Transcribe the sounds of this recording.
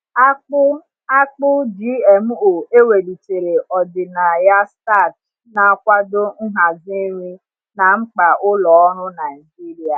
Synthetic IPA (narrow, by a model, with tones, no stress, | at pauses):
a˦ʊ˦ | a˦k͡pʊ˦d͡ʒi˦e˨m̩˦o˨e˦we˨li˨te˨ɾe˨ʔɔ˨dɪ˨na˨ja˦sta˦˨t | na˨a˨kʷa˦dʊ˦n̩˦ɦa˨zi˦ɾi˦ | na˨ŋ͡m̩˦k͡pa˨ʔʊ˦lɔ˨˦ɔ˦ɾʊ˦na˨ɪ˨d͡ʒi˦ɾi˨a˨